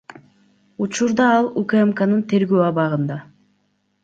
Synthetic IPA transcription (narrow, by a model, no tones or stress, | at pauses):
ut͡ʃuɾd̪ɑɑlˠukemkanɯnt̪ʰe̞ɾɡøːɑβɑʁɯnd̪ɑ